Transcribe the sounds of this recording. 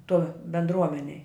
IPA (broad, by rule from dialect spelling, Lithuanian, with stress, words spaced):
toːj bʲɛndˈruɔmʲɛnʲɛj